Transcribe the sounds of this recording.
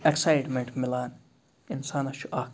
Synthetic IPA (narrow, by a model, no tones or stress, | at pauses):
eksajʈmɛ̃ɳʈmɪlaːn | ɪnsaːnɐʃuʔaːk